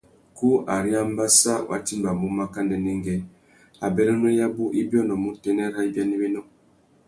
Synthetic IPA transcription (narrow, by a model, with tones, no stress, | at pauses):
ku˦a˨ɾi˦a˦m˦ba˦sa˦wʔa̰˨˦ti˦mba˨mu˦ma˦ka˦ndɛ˨nɛ˦ŋɡɛ˦ | a˨bɛ˦lɔ˦n˦ɛ˦ja˦bu˦ʔi˦bjɔ˦nɔ˨mu˦tɛ˨˦nɛ˦ɾa˦i˦bja˦ni˦bɛ˦nɔ˦